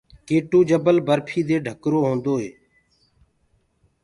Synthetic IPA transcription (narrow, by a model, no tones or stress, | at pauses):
keːʈuːd͡ʒəbəlbəɾpʰiːd̪eːɖʱəkɾoːɦõːnd̪oːɦeː